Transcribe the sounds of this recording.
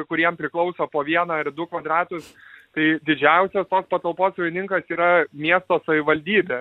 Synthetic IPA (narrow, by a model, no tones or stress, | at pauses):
kʊɾʲiɛmpʲɾʲɪklˠɒʊsoːpoːʋʲiɛnɐɪd̪ʊkʋɐd̪ɾɑːt̪ʊst̪ɐɪd̪ʲɪd͡ʒʲɛʊsʲɛst̪oːspɐt̪ɐlˠpoːssɐʋʲɪnʲɪŋkɐsiːɾɐmʲiɛst̪oːsɐʋʲɪʋɐlʲd̪ʲiːbʲeː